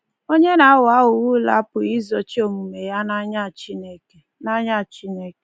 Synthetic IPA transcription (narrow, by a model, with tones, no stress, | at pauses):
o˦ɲe˦na˨a˦wa˦ʊ˨wu˦la̰˦pʊ˨i˦zo˨t͡ʃi˦o˦˨mu˨me˨ja˦na˦ɲa˦˨t͡ʃi˦ne˦ke˨na˦ɲa˦˨t͡ʃi˦ne˦ke˨